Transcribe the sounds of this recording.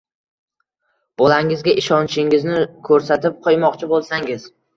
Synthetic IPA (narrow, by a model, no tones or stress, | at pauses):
b̥ɒlaŋɪzɡʲaʔɪʃɒnt͡ʃʰɪŋɪznɪkʰɵɾsat̪ɪp̚qʰɒjmɒqt͡ʃʰɪbolˠsaŋɪz